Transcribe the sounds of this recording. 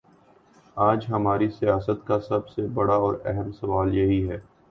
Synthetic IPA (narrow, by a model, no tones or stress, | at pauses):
aːd͡ʒɦɐmaːɾisijaːsət̪kasɐbsebɐɽaɔːɾɛɦəmsɐʋaːljɐɦiɦɛː